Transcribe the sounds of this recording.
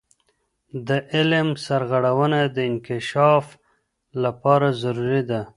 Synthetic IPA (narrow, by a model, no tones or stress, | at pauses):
d̪əʔɪlmsaɾɣaɽawənad̪əɪnkɪʃɑf | lapɑɾazaɾuɾid̪a